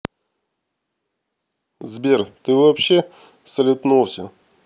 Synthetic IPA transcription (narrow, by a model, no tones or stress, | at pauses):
zbʲert̪ɨvɐpɕːe | səlʲɪt̪nulˠsʲə̰